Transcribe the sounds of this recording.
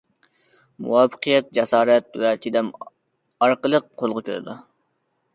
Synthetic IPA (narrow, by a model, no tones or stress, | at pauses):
mṵwɑːfə̥qʰijɛt̪̚d͡ʒɛsɑːɾɛt̪̚wɛt̪ʰid̪ɛm | ɑɾqəlˠəq̚qʰːolˠʁəkʲø̰ɾ̰d̪ṵ